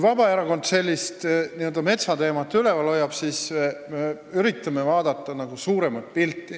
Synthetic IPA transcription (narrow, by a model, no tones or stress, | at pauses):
vɑbɑeɾɑko̞nt̪se̞lʲːist̪niø̞ld̪̥ɑme̞t̪sɑt̪e̞ːmɑt̪ːˑyle̞vɑlːo̞jːɑb̥siseme | yɾit̪ːˑɑme̞vɑːd̪̥ɑt̪ˑːɑnɑɡ̥usuːɾe̞mɑt̪̚pilt̪ːˑi